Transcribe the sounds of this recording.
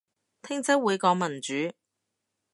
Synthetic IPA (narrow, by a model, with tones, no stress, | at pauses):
t̪ʰɪ˥ŋt͡sɐ˥wuː˨˧jkɔː˨˥ŋmɐ˨˩nt͡ʃyː˨˥